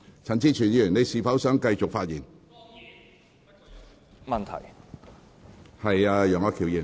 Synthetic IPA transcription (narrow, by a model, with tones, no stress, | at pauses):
t͡sʰɐ˨˩nt͡siː˥t͡ʃʰyː˨˩njyː˨˩ne˨˧jsiː˨fɐ˨˥wsœː˨˥ŋkɐ˧jt͡sʊ˨k̚faː˧t̚jiː˨˩n | mɐ˨nt̪ʰɐ̰˨˩j | hɐ˨jaː˧jœː˨ŋɐ˥kʰiː˨˩wji˨˩